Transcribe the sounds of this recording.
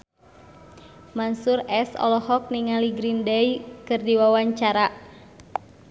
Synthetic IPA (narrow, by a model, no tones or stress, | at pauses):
mansurɛsɔ̰lɔhɔk̚niŋaliɡɾindɛjkɨrdiwawaɲt͡ʃaɾa